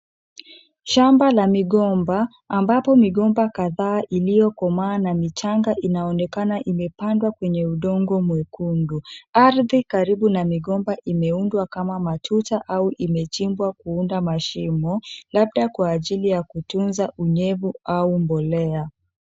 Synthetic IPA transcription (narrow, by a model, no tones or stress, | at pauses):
ʃambalamiɠɔmbaː | mbapɔmiɠɔmbakaðaːʔilijɔkɔmaːnamit͡ʃaŋɡaʔinaɔnɛkanaʔimɛpandwakwɛɲɛuɗɔŋɡɔmwɛkunduaɾðikaɾiɓunamiɠɔmbaʔimɛundwakamamatʰutaʔauʔimɛt͡ʃimbwakuundamaʃimɔlaɓ̚ɗakwaːʄilijakutunzaʔuɲɛvuaumbɔlɛa